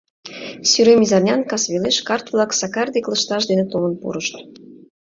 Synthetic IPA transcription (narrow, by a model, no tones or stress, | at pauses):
syɾemizɑrnʲɑnkɑsβʲeleʃkɑrt̪vlˠɑksɑkɑrd̪ʲeklˠə̆ʃt̪ɑʃ̬d̪enet̪olə̆npṵɾəʃt̪